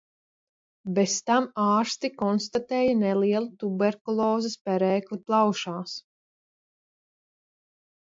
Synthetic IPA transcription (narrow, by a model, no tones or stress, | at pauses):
best̪amaːɾst̪ikɔnst̪at̪ɛːjanɛliɛlˠut̪ubɛɾkulˠɔːzɛspɛɾɛːkliplˠawʃaːs